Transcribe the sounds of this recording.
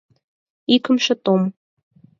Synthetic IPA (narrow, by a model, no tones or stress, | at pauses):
ikə̆mʃĕt̪om